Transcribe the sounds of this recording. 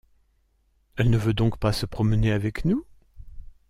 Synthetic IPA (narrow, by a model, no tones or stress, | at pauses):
ɛlnəvød̪ɔ̃kpasəpχɔməneavɛknu